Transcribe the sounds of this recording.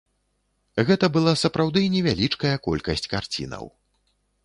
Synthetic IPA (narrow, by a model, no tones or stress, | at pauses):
ɣɛt̪ɐbɨlˠasɐpɾawd̪ɨnʲɛvʲalʲit͡ʂkɐjɐkɔ̰lʲkɐsʲt͡sʲkart͡sʲḭnɐ̰w